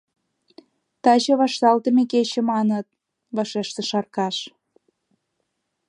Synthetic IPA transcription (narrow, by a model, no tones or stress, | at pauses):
t̪ɑt͡ɕɤ̆βɑʃt̪ɑlt̪ə̆meket͡ɕĕmɑnə̆t̪̚ | βɑʃeʃt̪ə̆ʃɑrkɑʃ